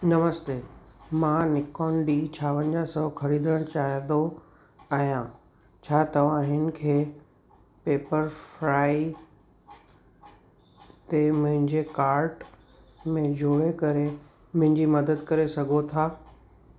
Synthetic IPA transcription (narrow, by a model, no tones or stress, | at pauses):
nɐməst̪eːmãːnɪkɔːnɖiːt͡ɕʰaːʋənd͡ʑasɐxʰɐɾiːd̪əɽ̃t͡ɕaːɦɪ̃d̪o | aːɦjã | t͡ɕʰaːt̪ɐʋ̤ãɦɪnɪ̆kʰeː | peːpəɾfɾaːi | t̪emʊ̃ɦɪ̃ɲd͡ʑekaːɾʈ | mẽd͡ʑʱoːɽekɐɾe | mʊ̃ɦɪ̃ɲd͡ʑimɐd̪əd̪kɐɾesɐɡʱot̪ʰaː